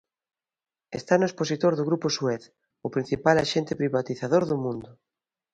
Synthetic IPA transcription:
est̪anʊesposit̪oɾðʊɣɾupʊsuɛθ | ʊpɾin̟θipalaʃent̪ɪpɾiβat̪iθaðoɾðʊmũnd̪ʊ

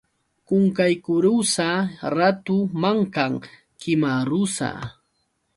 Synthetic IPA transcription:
kʊŋkajkʊɾusaɾat̪ʊmaŋkaŋ | kɪmaɾʊsa̰

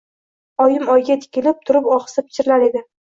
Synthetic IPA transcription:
ɒjɪmɒjɡʲat̪ʰɪ̥kʲʰɪlɪp̚t̪ʰʊɾɪpɒχɨ̥sɪpʰɪ̥t͡ʃʰɪɾɪlaɾe̞d̪ɪ

